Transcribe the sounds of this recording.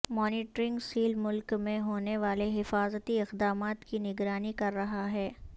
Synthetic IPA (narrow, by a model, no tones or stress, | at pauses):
mɔːnɪːʈɾɪ̃ŋɡsiːlmʊlkmẽɦoːneʋaːleɦɪfaːzət̪iɪqd̪aːmaːt̪kinɪɡɾaːnikɐɾːɐɦaɦɛː